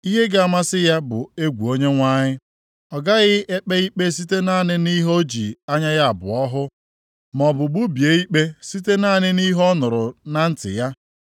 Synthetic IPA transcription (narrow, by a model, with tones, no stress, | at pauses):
i˦ɦe˦ɡa˨a˨ma˦sɪ˦ja˦bʊ˨e˦ɡʷu˨o˦ɲe˦ŋʷa˦ɲɪ˦ | ɔ˨ɡa˦ɣɪ˦e˦k͡pe˦i˦k͡pe˦s̬i˦te˦na˦˨nɪ˦ni˦ɦo˦d͡ʒḭ˨a˦ɲa˦ɣa˦a˨bʊ̰˨ɔ˦ɦʊ˦ | mɔ˨bʊ˨ɡ͡bu˦bje˨i˦k͡pe˦si˦te˦na˦˨nɪ˦ni˦ɦɔ˦nʊ˨ɾʊ˨na˦n̩˦tɪ̰˨ja˦